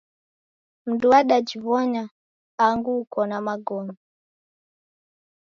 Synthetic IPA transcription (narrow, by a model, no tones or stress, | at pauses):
m̩duwaɗad͡ʒivɔɲa | aŋɡukɔnamaɡɔnɔ